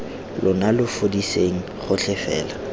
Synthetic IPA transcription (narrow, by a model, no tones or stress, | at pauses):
lʔʊnalʊfodiseŋ̩χʊt͡ɬɪfɛ̰ːla